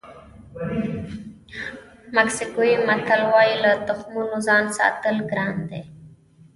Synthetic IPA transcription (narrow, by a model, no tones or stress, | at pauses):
maksikoimat̪alwɑjilat̪ʊxmunozɑnsɑ̰t̪əlɡɾɑnd̪ḛ